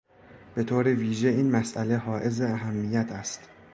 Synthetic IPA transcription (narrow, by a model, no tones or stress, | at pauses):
b̥e̞t̪ʰoːɾeviːʒe̞iːnmæsʔæle̞ɦɒːʔe̞zeæɦæmːijæt̪ʰæst̪